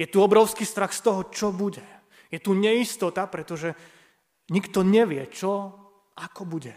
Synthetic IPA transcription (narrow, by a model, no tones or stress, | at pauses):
jɛt̪uɔbɾɔʊskiːst̪ɾaxst̪ɔɦɔt͡ʃɔbuɟɛ | jɛt̪uɲɛist̪ɔt̪apɾɛt̪ɔʒɛ | ɲikt̪ɔɲɛʋɪɛt͡ʃɔ | akɔbuɟɛ